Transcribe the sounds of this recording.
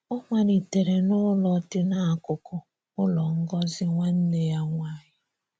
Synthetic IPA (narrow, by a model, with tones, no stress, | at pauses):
ɔ˦ŋʷa˨ɾi˨te˨ɾe˨nʊ˦lɔ˨tɪ˦na˨a˨kʊ˨kʊ˨ | ʊ˦lɔ˨ŋ̩˦ɡɔ˦zɪ˦ŋʷa˦n̩˦ne˦ja˦ŋʷa˦˨ɲɪ˦